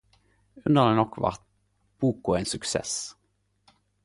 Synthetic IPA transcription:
ʉnd̪əʁd̪ɛnɔkːʋɑ̰ʁt̪̚ | b̥uːkʊeːnsɵksḛs

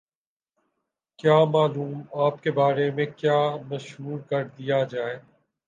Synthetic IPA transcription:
kjaːmaːluːmaːp̚kebaːɾemẽkjaːmɐʃɦuːɾkɐɾd̪ɪjad͡ʒaːeː

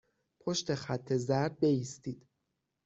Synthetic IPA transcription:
pʰo̞ʃt̪e̞xæt̪ʰːe̞zæɾd̪̚be̞jiːst̪iːd̪̥

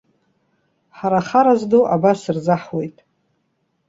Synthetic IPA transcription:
ħaɾaχaɾazdoʔabasɨrzaħwe̞jtʼ

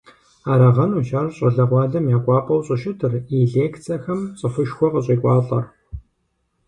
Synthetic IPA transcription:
aːɾɐʁɐnuːʃaːrɕʼɐɮɐʁʷɑːɮɐmjaːkʷʼɑːpʼɐwɕʼɪʃɪtʰɨriɮeːkʰt͡sʰɐxɐmɕʼɐfɨʃxʷɔqəɕʼiːkʷʼɑːɬʼɐr

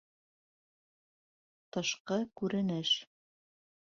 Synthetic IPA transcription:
t̪ɤ̆ʃqɤkʉɾɘ̆nɘʃ

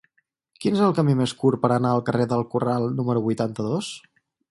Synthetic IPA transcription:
kinezəlˠkəmimeskuɾpəɾənaəlˠkəreðəlˠkuralˠnuməɾuβujt̪ant̪əðos

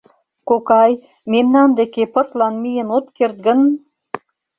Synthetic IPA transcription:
kokɑj | memnɑnd̪ekepə̆rt̪lɑnmijənot̪kert̪̚ɡə̆n

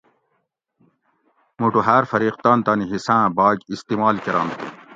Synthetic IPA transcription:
muːʈuɦaːɾfɐɾiːq̚t̪aːnt̪aːniɦisãːbaːɡist̪iːmaːlkɐɾa̰ːmt̪ḛ

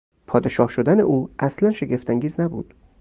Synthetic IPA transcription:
pʰɒːd̪e̞ʃɒːhʃod̪æne̞̰ʔuːʔæslænʃe̞ɡe̞ft̪ʰæŋɡɟiːznæbṵːd̪̥

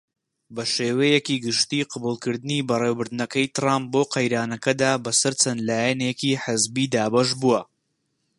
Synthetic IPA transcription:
bɐʃeːwejɛkiːɡɨʃt̪iːqʰɨbuːlˠkɨɾd̪ɨniːbɐreːwbɨɾd̪ɨnɐkɐjt̪ɨraːmp̚boːqɐjɾaːnɐkɐd̪aːbɐsɐɾt͡ʃɐnlaːjɛneːkiħɨzbiːd̪aːbɐʃbuɐ

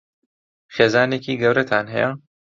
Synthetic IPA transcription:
xeːzaːneːkiːɡɐwɾɐt̪ʰaːnɦɛ̰jɛ

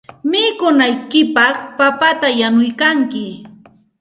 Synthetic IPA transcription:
mɪkʊnajkɪpɑχpapat̪ajanʊjkaŋkɪ

